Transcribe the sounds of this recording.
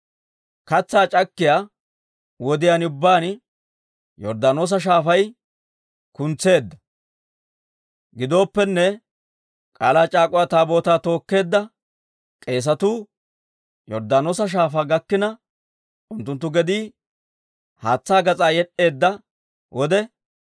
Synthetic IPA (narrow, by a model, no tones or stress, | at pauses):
kɐt͡sːaːt͡ʃʼɐkːɪjaː | wɔd̪ɪjaːnʊbːaːn | jɔɾd̪aːnoːs̬ɐʃ̬aːfɐj | kʊnt͡sːe̞ːd̪ːɐ̥ | ɡɪd̪o̞ːpːɛnːɛ | kʼaːlaːt͡ʃʼaːkʼɔwjaːt̪aːbo̞ːt̪aːt̪o̞ːkːe̞ːd̪ːɐ | kʼe̞ːs̬ɐt̪uː | jɔɾd̪aːnoːs̬ɐʃ̬aːfaːɡɐkːɪnɐ | ʔʊnt̪ːʊnt̪̬ːʊɡɛd̪iː | haːt͡sːaːɡɐt͡sʼaːjɛɗːe̞ːd̪ːɐ | wʔɔd̪ɛ